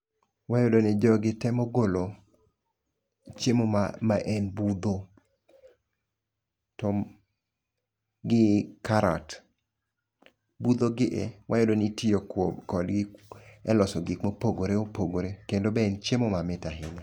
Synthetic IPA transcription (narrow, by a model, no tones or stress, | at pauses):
wajodonɪd͡ʒɔɡɪtɛmoɡolo | t͡ʃemoamaʔɛnbud̪o | tɔ | ɡɪkaɾa̰t | bud̪oɡɪʔewʔajodonitiokɔdɡɪɛlɔsɔɡɪkmopoɡoɾeopoɡoɾekendobɛɛnt͡ʃemomamɪtaɦɪɲa